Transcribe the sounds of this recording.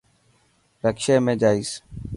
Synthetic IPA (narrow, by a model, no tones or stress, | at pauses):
ɾəkʃeːmẽːd͡ʒaːiːs